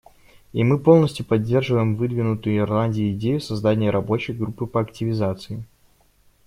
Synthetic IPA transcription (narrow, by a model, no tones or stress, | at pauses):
imɨpolˠnəsʲtʲjʊpɐdʲːe̞rʐɨvəjɪmvɨd̪vʲɪnʊt̪ʊjʊɪrlˠanʲdʲɪjʊɪdʲejʊsɐzd̪anʲɪjəɾʔɐbo̞t͡ɕɪjɡɾupːɨpəɐktʲɪvʲɪzat̪sɨɪ